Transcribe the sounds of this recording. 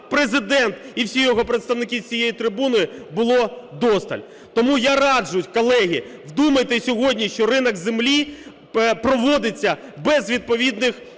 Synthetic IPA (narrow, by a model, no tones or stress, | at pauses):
pɾezɪd̪ɛnt̪iwsʲijɔɦɔpɾet̪st̪ɐwnɪkʲit͡sʲijejit̪ɾɪbunɔjɪbʊlˠɔd̪ɔst̪ɐ̰lʲ | t̪ɔmujaɾɑd͡ʒʊjtʲkɔlˠɛɦʲi | wd̪umɐjt̪ɪsʲɔɦɔdʲnʲiʃt͡ʃɔɾɪnɐɡzemlʲi | pɾɔʋɔd̪ɪt͡sʲːɐbɛzʋʲid̪̚pɔʋʲid̪nɪx